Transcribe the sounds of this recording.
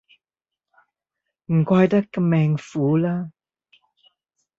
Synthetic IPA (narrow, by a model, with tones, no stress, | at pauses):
m̩˨˩kwaː˧jt̪a˦˥k̚ːa˧mɛː˧ŋfuː˨˦laː˦˥